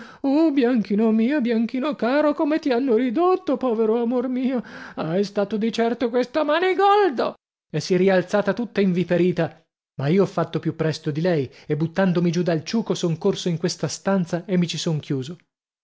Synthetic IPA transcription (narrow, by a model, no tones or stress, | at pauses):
objaŋk̟iːnomiːobjaŋk̟iːnokaːɾokomet̪ianːoɾid̪ot̪ːopɔːveɾoamormiːoajst̪aːt̪od̪it͡ʃɛrt̪okwest̪amaːneɡɔld̪o | esːɛɾialt̪saːt̪at̪ut̪ːaiɱvipeɾiːt̪a | maiːoɔfːat̪ːopjupːɾɛst̪od̪ilɛjebːut̪ːand̪omid͡ʒud̪alt͡ʃuːkosoŋkorsoiŋkwest̪ast̪ant̪saemːit͡ʃisoŋkʰjuːzo